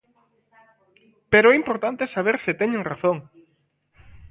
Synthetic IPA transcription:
peɾoɛimpoɾt̪ant̪esaβ̞eɾsɪt̪ɛɲẽŋraθoŋ

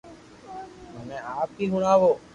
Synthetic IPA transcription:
mənẽːaːpkiːɡʊɳaːʋoː

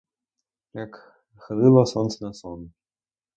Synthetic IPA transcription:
jak | xɾɨlˠɐsɔnt̪snɐsɔn

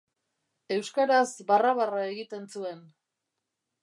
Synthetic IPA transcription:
e̞wskaɾazβaraβarae̞ɣit̪e̞nt͡sue̞n

